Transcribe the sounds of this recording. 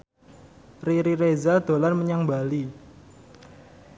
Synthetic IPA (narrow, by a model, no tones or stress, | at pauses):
riɾiɾezad̪̥o̤larməɲaŋbali